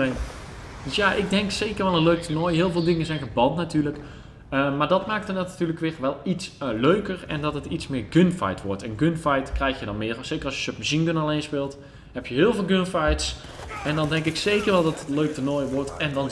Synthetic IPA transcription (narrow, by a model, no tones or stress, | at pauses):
en | døsjaʔɪɡ̚dɛŋksejkərɹʋɛlˠənløɥk̚tənɔjɦɪːlˠvɪːlˠdɪŋənzɛjnəbɑntnatyːɹlək | əmaːɹdɑtmaːk̚tənattyːləkʋɪrʋɛlˠitsløɥkərɛ̰ndɑtɦətitsmɪːɹɡɵnfa̰jtʋɔ̰ɹtɛnɡɵnfajtkrɛjxjədɑnmɪːrsejkərɑlˠsjə̥ʃøpməsinɡønalejnspɪːlˠt | hɛpjəɦɪːlˠvɪːlˠɡønfajts | ɛndɑndɛŋkɪksejkərɹʋɛlˠdɑtətløɥk̚tənɔjʋɔɹtɛndɑn